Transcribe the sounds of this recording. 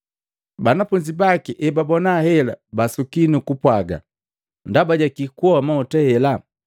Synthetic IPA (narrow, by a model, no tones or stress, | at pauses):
banafuɲd͡ʒibakiʔɛbabɔnahɛla̰basukinukupwaɡa̰ | ndabaɟakikuɔmaɔtɛhɛla